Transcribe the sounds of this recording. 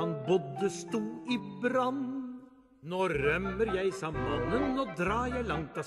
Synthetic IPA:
ɑnbɔd̪əst̪uːibɾɑn | noːɾœmːəɾjæɪsɑmːɑnːənːoːd̪ɾɑːjæɪlɑŋt̪ɑ

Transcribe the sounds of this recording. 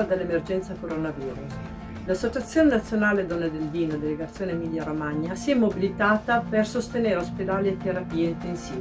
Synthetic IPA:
ad̪elːemerd͡ʒɛnt̪sakoɾonaviːɾus | lasːot͡ʃat̪sːjoːnenat̪sːjonaːled̪onːed̪elviːnod̪eleɡat̪sːjoːnemilːjaɾomaɲːasiɛmːobilit̪aːt̪apersost̪eneːɾeosped̪aːliet̪ːeɾapiːeint̪ensiː

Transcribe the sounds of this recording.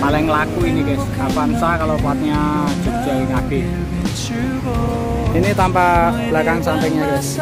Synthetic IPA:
palɪŋlakuinikeskabansakalopat̪̚ɲad̥d͡ʒ̥o̤k̚d̥ʒ̥a̤wiŋab̥ɪ̤h | init̪ampab̥lakaŋsampɪŋɲakɛs

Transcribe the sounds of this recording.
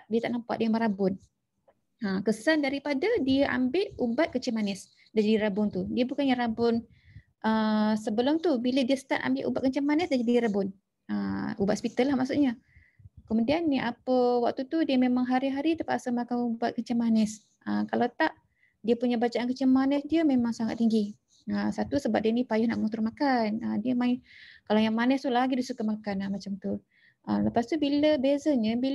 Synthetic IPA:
ʔdiət̪aʔnampa̰ʔ̚dəanməɾabʊn | əmkəsandaɾipadadiəʔa̰mbɪʔubat̪̚kət͡ʃɪmanɛs | dad͡ʒadiɾabʊŋt̪udiəbukanjaɾrabʊn | ʔəsəbəlʊmt̪ubilədiəsə̥t̪ana̰mbɪʔṵbat̪̚kəɲt͡ʃəmanɛsdad͡ʒadiɾabʊn | əubat̪spit̪alːahmaʔsuʔɲa | kəmudianːiʔapəwak̚t̪ut̪udiəmemaŋɦaɾiɦaɾit̪əpaʔsəmakanubaʔ̪̚kəɲt͡ʃamanɛs | ʔəmkalat̪aʔ | diəpuɲabat͡ʃaʔankəɲt͡ʃəmanɛsdiəmemaŋsaŋat̪ːiŋɡi | əsat̪usəbap̚diənipajʊhnaʔŋunt̪umakanədiəmaɪkalajaŋmanəst̪ulaɡidisukəmakanamat͡ʃamt̪u | ʔələpast̪ubiləbezəɲəbil

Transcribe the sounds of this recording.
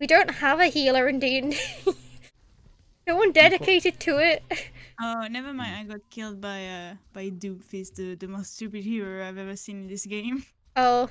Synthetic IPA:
widõʊ̃nʔhəvəhilˠə˞ɨ̃ndĩn | nowʌ̃ndɛɾɪkʰeɪʔɪd̚tʰəɪʔonɛvə˞mãɪ̃naɪɡɔt̚kʰɪlˠd̚baɪʌb̥aɪdʉpfesðəðəmoststʉpɪd̚hilˠə˞aɪvɛvə˞sĩnɪ̃nðɪsɡ̥ẽɪ̃m | oʊ

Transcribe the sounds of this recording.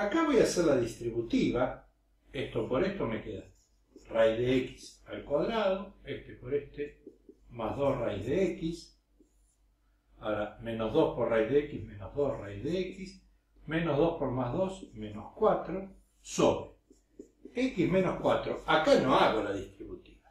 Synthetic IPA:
akaβojaseɾlaðist̪ɾiβut̪iβa | est̪opoɾest̪omekeða | rajðeeki̥salkwaðɾaðoeht̪epoɾest̪emazðosrajzðeekis | aɾamẽnozðospoɾrajðeekizmẽnozðosrajzðeekis | mẽnozðospoɾmazðosmẽnoskwat̪ɾo | soβɾe | ekizmẽnoskwat̪ɾoakanoaɣolaðist̪ɾiβut̪i̥βa

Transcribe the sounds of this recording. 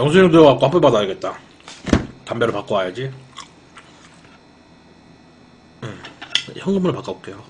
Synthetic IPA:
jʌŋsʰuɲʌŋtujʌɡak͈ohap͈upadaiɡe̞t̚t͈a | kambjʌɾɯɭpak͈oɦajad͡ʑi | ɯçjʌŋɡɯmɯɾɯɭpak͈aok͈e̞jo

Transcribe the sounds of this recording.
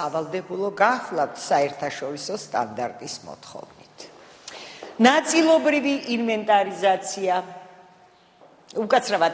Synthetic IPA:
avalˠd̪ɛbulˠɔɡaχlˠavt̪ʰsaɛɾt̪ʰaʃɔɾisɔst̪ʼa̰nd̪aɾt̪ʼismɔ̰t̪ʰχɔ̰vnit̪ʰ | nat̪sʼilˠɔbɾiviʔinvɛnt̪ʼaɾizat̪sʰia | ukʼat̪sʰɾava

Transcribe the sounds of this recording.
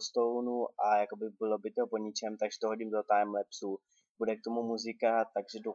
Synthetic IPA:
st̪olonuʔajakobɪbɪlo̞bɪt̪opoɲɪt͡ʃɛmt̪aɡʒɛ̥t̪oɦoɟimdot̪ajɛmlɛpsuː | budɛk̚t̪o̞mumuzɪkat̪aɡʒɛdo

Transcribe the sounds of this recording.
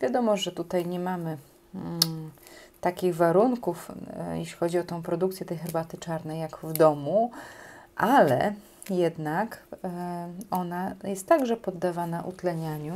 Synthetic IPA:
vʲjad̪ɔmɔʐɛt̪ut̪ajɲɛmamɘ | t̪akʲiɣvaɾuŋkufjɛ̰ɕlʲixɔd͡ʑiɔt̪ɛ̃w̃pɾɔd̪ukt̪sʲjɛt̪ɛjxɛɾbat̪ɘt͡ʂaɾnɛjːaɡvd̪ɔmu | ʔalɛ̰ | jɛd̪nak | ɔnajɛst̪ːaɡʐɛpɔd̪ːavanaʔṵt̪lɛɲaɲu

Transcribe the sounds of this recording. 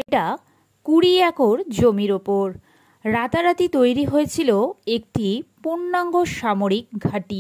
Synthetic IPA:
eʈa | kuɽiɛkoɾd͡ʑomiɾopoɾ | ɾat̪aɾat̪it̪ojɾiɦojet͡ɕʰiloek̚ʈipuɳːaŋɡoʃamoɾik̚ɡʱaʈi

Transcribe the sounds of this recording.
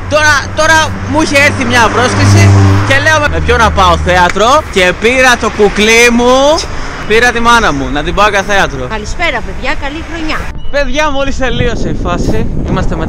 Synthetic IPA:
t̪o̞ɾɐt̪o̞ɾɐ | muiçe̞eɾθimɲɐpɾo̞skɾisice̞le̞omeme̞pçonɐpɐoθe̞ɐt̪ɾo̞ce̞piɾɐt̪o̞kuklimu | piɾɐt̪imɐnɐmunɐt̪ibɐokɐθeɐt̪ɾo̞kɐlispe̞ɾɐpeðʝɐkɐlixɾo̞ɲɐpe̞ðʝɐmuolise̞lio̞seifɐsiimɐst̪e̞me

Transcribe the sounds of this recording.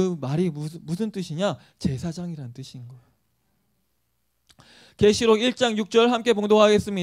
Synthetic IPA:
ɯmaɾimusʰɯnt͈ɯɕʰiɲa | t͡ɕe̞sʰad͡ʑaŋiɾannt͈ɯɕʰinɡʌeo | ke̞ɕʰiɾoiɭt͡ɕ͈aŋjuk̚t͡ɕ͈ʌɾɭhamk͈e̞poŋdoŋɦaɡe̞s͈ɯmɲi

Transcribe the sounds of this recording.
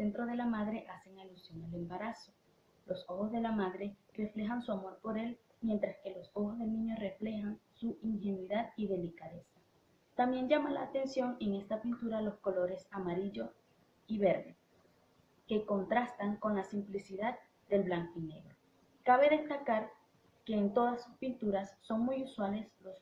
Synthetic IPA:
ese̞nt̪ɾoð̞e̞lamað̞ɾe̞ʔase̞ŋalusjo̞nele̞mbaɾaso̞ | lʔo̞so̞xo̞zðe̞lamaðɾe̞re̞fle̞xansuamo̞ɾpo̞ɾe̞l | mje̞nt̪ɾaske̞lo̞so̞xo̞zðe̞lnĩɲo̞re̞fle̞xansuiŋxe̞nwiðaðiðe̞likaðe̞sḁ | t̪ambje̞ɲd͡ʒamala̰ːt̪e̞nsjo̞ŋe̞ŋe̞st̪apint̪uɾalo̞sko̞lo̞ɾe̞samaɾiʝo̞s | iβe̞ɾðe̞ | ke̞ko̞nt̪ɾast̪aŋko̞nlasimplisiðað | d̪e̞lβlaŋkoine̞̰ɣɾo̞ | kaβe̞ðe̞st̪akaɾ | ke̞ːnt̪o̞ðasuspint̪uɾasːo̞ŋmujuswale̞slo̞s

